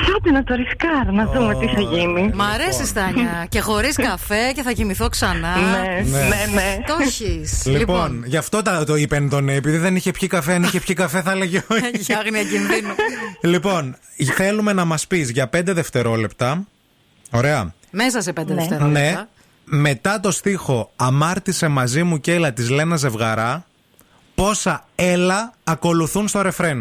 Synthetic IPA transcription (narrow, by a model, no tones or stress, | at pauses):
θɐt̪enɐt̪oɾiskɐɾnɐðumet̪iθɐʝinimɐɾesist̪ɐɲɐce̞xo̞ɾiskɐfe̞ce̞θɐʝimiθoksɐnɐneneenet̪oçislilponʝɐft̪o̞t̪ɐt̪oipent̪o̞neːpiðiðe̞niçepçikɐfeɐniçe̞pçikɐfe̞θɐleʝeoɐɣniɐcinðinulipo̞n | θe̞lume̞nɐmɐspizʝɐpe̞nd̪e̞ðe̞ft̪e̞ɾo̞le̞pt̪ɐ | o̞ɾe̞ɐ̰ | mesɐsepend̪eðeft̪eɾone̞ | me̞t̪ɐt̪o̞st̪ixo̞ɐmɐɾt̪ise̞mɐzimuce̞lɐt̪izle̞nɐze̞vɣɐɾɐ | po̞sɐe̞lɐːko̞luθunst̪o̞ɾe̞fɾe̞n